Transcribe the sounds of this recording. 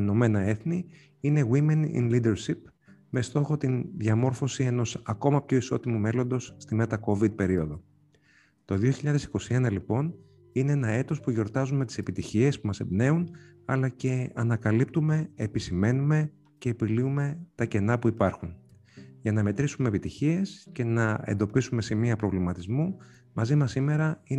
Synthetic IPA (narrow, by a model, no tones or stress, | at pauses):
no̞me̞nɐe̞θni | ine̞ɣwimenḭnlid̪e̞ɾsip | me̞st̪o̞xo̞t̪inðʝɐmo̞ɾfo̞sie̞no̞sɐko̞mɐpço̞iso̞t̪imume̞lo̞nd̪o̞sːt̪imet̪ɐko̞vid̪̚pe̞ɾio̞ðo̞ | t̪o̞ðioçiʎɐðesi̥ko̞sie̞nɐlipo̞n | ine̞enɐe̞t̪o̞spuʝo̞ɾt̪ɐzume̞t̪i̥se̞pit̪içie̞spumɐsebne̞un | ɐlɐce̞ɐnɐkɐlip̚t̪ume̞ːpisime̞nume̞ | ce̞ːpiliume̞t̪ɐce̞nɐpuipɐɾxun | ʝɐnɐme̞t̪ɾisume̞pit̪içie̞sce̞nɐe̞̰nd̪o̞pisume̞simiɐpɾo̞vlimɐt̪izmu | mɐzimɐsime̞ɾɐi